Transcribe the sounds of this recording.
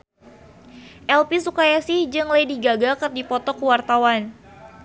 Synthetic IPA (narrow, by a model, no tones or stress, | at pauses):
ʔɛlpisukajasihd͡ʒɨŋlajdiɡaɡakɨrdipɔt̪ɔkuwart̪awan